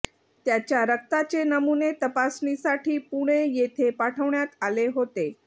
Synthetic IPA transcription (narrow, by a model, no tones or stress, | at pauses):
t̪jat͡ɕjaɾək̚t̪at͡ɕenəmunet̪əpasnisaʈʰiːpuɽ̃ejet̪ʰepaʈʰəʋɳjat̪aleɦot̪e